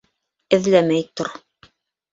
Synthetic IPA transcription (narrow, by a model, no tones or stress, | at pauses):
ɘ̆ðlæmæjt̪oɾ